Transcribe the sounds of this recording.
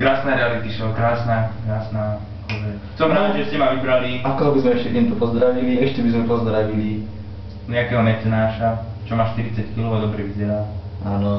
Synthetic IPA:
kɾaːsnaɾɛalit̪iʃɛɔkɾaːsnaːkɾaːsnaː | kɔzɛ | sɔmɦɾaːd̪ʒɛscɛmaʋibɾaliakɔɦɔbizmɛɛʃcɛt̪ɛmt̪ɔpɔzd̪ɾaʋiliɛʃcɛbizmɛpɔzd̪ɾaʋili | ɲɛakɛːɦɔnɛt͡sɛnaːʃa | t͡ʃɔmaʃt̪iɾit͡sackiluʊad̪ɔbɾɛʋizɛɾaː | ʔaːnɔ

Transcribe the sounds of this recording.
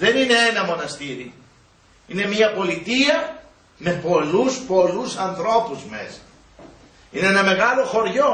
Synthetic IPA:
ðe̞nine̞enɐmo̞nɐst̪iɾi | ine̞miɐpo̞lit̪iɐ | me̞po̞luspo̞lusɐnθɾo̞puzme̞̰sɐ̥ | ineenɐme̞ɣɐlo̞xo̞ɾʝo̞

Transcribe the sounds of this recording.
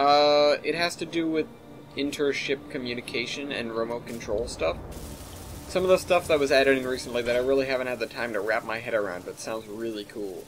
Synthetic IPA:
ʌɪt̚ɦɨz̥tɨdɨwɪð | ɪ̃ntʰə˞ʃɪp̚kʰɨmjʉnɨkʰeɪʃɨ̃nɨ̰̃nɹoʊmoʊkʰn̩tʰɹ̥oʊlˠstʌf | sʌ̃mʌvðəstʌfðɨwʌzæɾɨɾɪ̃ŋɹisn̩ʔliðɨɾaɪɹɪlˠiɦævɨ̃nt̚hɨd̪̚ðɨtʰãɪ̃mtʰɨɹæp̚maɪɦɛɾə˞ã̰ʊ̃nd̚bʌtsãʊ̃ndzɹɪlˠikʰulˠ

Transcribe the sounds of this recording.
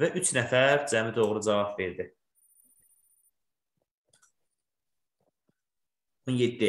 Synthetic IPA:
væʔyt͡ʃʰnæfæɾd͡ʒæmid̪o̞ʁɾud͡ʒɑvɑbve̞ɾd̪i | onje̞d̪ːi

